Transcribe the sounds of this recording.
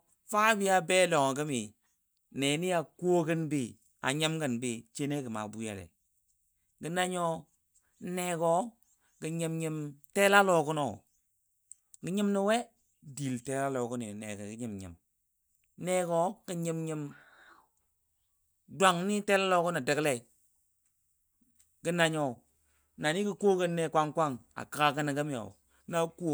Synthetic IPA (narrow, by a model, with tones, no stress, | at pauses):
fa˦bi˦a˦be˦lɔ˨ŋ˨kə˦mi˨ | ne˨ni˦a˨ku˦o˦kə˦nbi˦˨ | a̰˨ɲə˦mkə˨nbi˦t͡ʃe˦ne˦kə˨ma̰˨bu˦ja̰˨lɛ̰˨ | kə˨na˦ɲɔ˦ | ne˨kɔ˦ | ki˨ɲɪ˨mɲə˨mte˦la˦lɔ˨kʊ˦nɔ˨ | ki˨˦ɲɪ˦mni˨we˦ | di˨lte˦la˦lo˨ku˦nḭ˨nḛ˨kḛ˨ki˦ɲi˨mɲḭ˨m˦ | ne˦ko˦ki˨ɲi˨mɲi˨m | dʷa˨ŋni˦te˦la˦lo˨ku˦na˨de˨kle˨i˨ | ki˨˦na˨ɲo˨ | na˨ni˦ki˦ko˦kə˦ne˨kʷa˦ŋkʷa˦˨ŋa̰˨ka˨ka˨kə˦na˨ɡə˦mi˦jo̰˨˦ | na˦ku˦˨